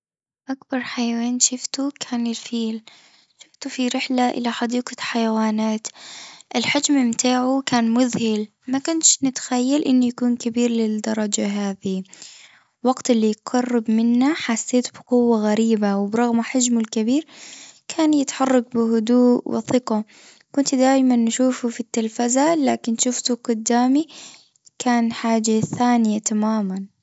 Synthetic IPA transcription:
ʔakbɑɾˤħajaweːnʃʊft̪ukʰaːnɪlfiːl | ʃʊft̪ufiɾɪħlaʔɪ̰laħad̪iːqaħajawaːnaːt̪ʔɪlħɪd͡ʒmɪmt̪ʰaːʕukaːnmʊðhɪl | makʊnʃnɪt̪xajːalʔɪnːujakuːnkabiːɾlɪd̪ɑɾˤɑd͡ʒaɦaːði | wɑɡt̪ɪlːiqɑrˤːɪbmɪnːaħasːeːt̪b̥ɪqʊwːaɣaɾiːbawɪbɾˤɑɣmaħad͡ʒmʊlkɪbiːɾkʰaːnjɪt̪ħɑrˤːɑɡ̚bɪɦʊd̪uːʔwɪ̰θɪqɑ | kʊnt̪d̪aːjmanːaʃuːfufit̪ːalfazalaːkɪnʃʊft̪uɡʊd̪ːaːmi | kʰaːnħaːd͡ʒaθaːnɪjat̪amaːman

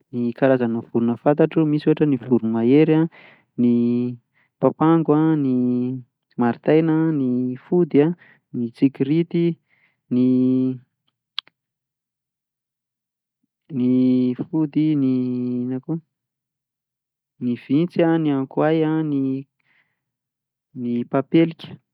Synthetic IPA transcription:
nikaɾazanəv̥uɾunəfant̪aʈ͡ʂumisuɦaʈ͡ʂənivuɾumaeɾa | ni | papaŋɡwani | maɾit̪ajnənifud̪ia | nit͡sikiɾit̪i | ni | nifud̪ininaku | niv̥int͡saniaŋkwajani | nipapelikʲə̥

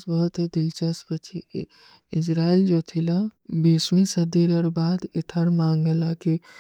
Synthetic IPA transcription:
sbəɦʊt̪ɦed̪ɪlt͡ʃəspət͡ʃʰi | ɪd͡ʒɾaːild͡ʒot̪ʰilãbiːsmĩsɐd̪iɾəɾbaːd̪ɪt̪ʰəɾmãːŋɡəlaki

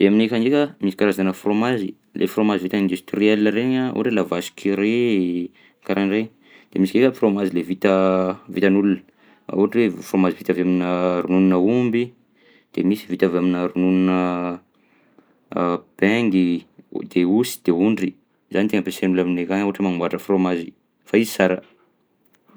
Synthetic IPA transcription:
d̥̪eaminekaŋɡekʲəmisikaɾazanəfromazi | lʔḛfromazivit̪aind̪ust̪riɛlːəɾeɲaṵaʈ͡ʂelavasi̥kʰiɾe | kaɾaɳɖ͡ʐej | d̪̥emisikekəfromazilevit̪əvit̪anulunə̰ | uaʈ͡ʂwefromazivit̪avaminəɾunununəumbi | d̪̥emisivit̪avaminəɾununinə | b̥ɛŋɡid̪̥eusi̥d̪̥euɳɖ͡ʐi | zanit̪eŋəpesenulaminekaŋuaʈ͡ʂemaŋuaʈ͡ʂəfromazi | faizi̥saɾa

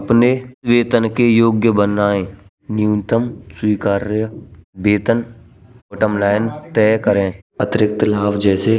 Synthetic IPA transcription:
əpneweːt̪ənkejoːɡjəbənaːẽː | nijũt̪əmswiːkaːɾ | beːt̪ən | oːʈəmlaːɪnt̪ɛːkəɾẽːət̪ɪɾɪk̚t̪laːfd͡ʒɛːse

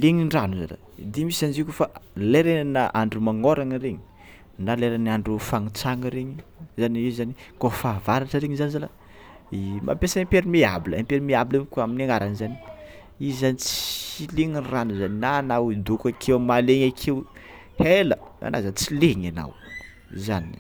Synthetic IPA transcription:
leŋiɳranuza̰la̰ | d̪imisanzikufaleɾenanaʔaɳɖ͡ʐumaŋoɾaŋəɾeɲi̥ | naleɾanaɳɖ͡ʐufaŋit͡saŋəɾeɲizanizanikofavaɾaʈ͡ʂəɾeɲizanizala | ima̰pesaimpeɾimeabiləampeɾimeabilakuaminaŋaɾanzani | iizanit͡sileŋinranuzaninanawid̪ukakʰewmaleɲakʰew | heləa̰na̰zat͡sileɲana̰w | zani

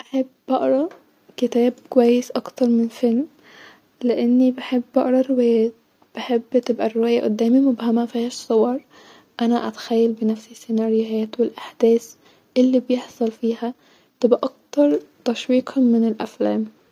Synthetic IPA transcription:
ʔaħebːʔɑʔɾˤɑ | kɪt̪æːb̚kowæjːɪsʔɑkt̪ɑɾˤmɪnfaln | lɪʔanːibaħebːɑʔɾˤɑrɪwæːjæːt̪ | b̥ɪħebːt̪ɪbʔærɪwæːjaʔʊ̰d̪ːæːmimʊbhamæfihæːʃsˤowɑɾˤ | ʔanaʔæt̪xæjːalbɪnafsisːɪnɑɾɪjæːt̪wɪlʔaħd̪̥æːs | ʔɪlːibjeħsˤɑlfiːhæ | t̪ɪbʔaʔɑk̚t̪ɑɾˤt̪ɑʃwiːqʰɑmɪnɪlʔa̰flæːm

